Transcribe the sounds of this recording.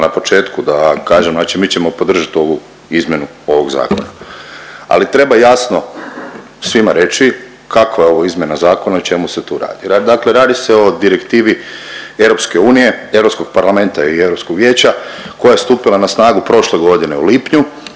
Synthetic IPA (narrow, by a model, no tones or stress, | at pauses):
napo̞t͡ʃe̞ːt̪kud̪akaːʒemnat͡ʃimiːt͡ɕemo̞po̞d̪r̩ʒat̪o̞ʋu | izmʲje̞nu | o̞ʋo̞ɡza̰ːko̞̰na | a̰lit̪ɾe̞bajasno | sʋimaɾe̞t͡ɕi | kʰakʋajeo̞ʋoizmʲje̞nazaːko̞naot͡ʃe̞muset̪uɾa̰ːd̪iad̪akle̞ɾaːd̪ise̞o̞d̪iɾekt̪iːʋievɾo̞pskeuːnije̞e̞ʋɾo̞psko̞ɡ̥̚paɾlˠame̞nt̪aie̞ʋɾo̞pskoɡʋje̞ːt͡ɕako̞jaest̪uːpilˠanasnaːɡupɾo̞ʃle̞ɡo̞d̪ine̞uliːpɲu